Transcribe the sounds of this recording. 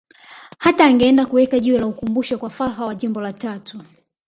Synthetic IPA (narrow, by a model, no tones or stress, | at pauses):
hataːŋɡɛɛndakuwɛkaʄiulaukumbuʃɔkwafalɦawaʄimbɔlatatʰu